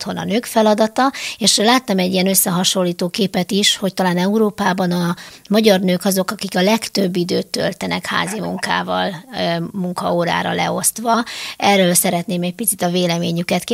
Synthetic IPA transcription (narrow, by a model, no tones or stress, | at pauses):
ho̞nɒ̰nøːkfɛlɒd̪ɒt̪ɒeːʃlaːt̪ːɒmɛɟːiɛnø̞sːɛɦɒʃo̞lːiːt̪oːkeːpɛt̪iʃho̞ct̪ɒlaːnɛuɾoːpaːbɒnɒmɒɟɒrnøːkɒzo̞kɒkikɒlɛkt̪ø̞bːid̪øːt̪ːø̰lt̪ɛnɛkha̰ːzimṵŋka̰ːvɒ̰lmuŋkɒoːɾa̰ːɾɒ̰lɛ̰o̞st̪ʋɒɛrːøːlsɛɾɛt̪neːmɛc̚pit̪sit̪ɒveːlɛmeːɲykɛt̪k